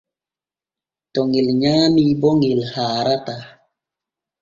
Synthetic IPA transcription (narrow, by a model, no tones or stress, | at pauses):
tɔŋilɲanibɔŋilhaɾata